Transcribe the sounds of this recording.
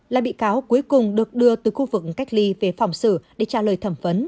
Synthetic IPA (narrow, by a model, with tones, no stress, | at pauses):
laː˨˩ɓḭ˧˨kaː˨˦wku˨˦əjkʊ˨˩ŋ͡mɗɨ˨˩ək̚ɗɨ˧ət̪ɨ˨˩xu˧vɨ˨˩k̚ka˦˥jk̟̚li˧ve˨˩fa˨˩wŋ͡msɨ̰˧˩ɗe˧˩t͡ɕaː˧˩ləː˨˩jt̪ʰə˧˩mfə˨˦n